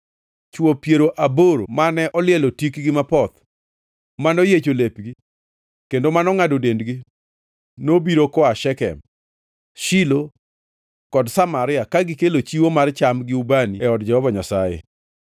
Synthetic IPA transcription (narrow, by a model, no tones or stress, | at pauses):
t͡ʃwopjeɾoʔaboɾo̰manɛʔɔlɪɛlotikɡɪmapɔt̪ | manojet͡ʃolepɡi | kendomanɔŋadodendɡi | nobiɾokɔaʃɛkɛ̰m | ʃilo | kɔdsamaɾɪakaɡɪkelot͡ʃiwomart͡ʃamɡɪubaniɛɔdd͡ʒɛhɔvaɲasajḛ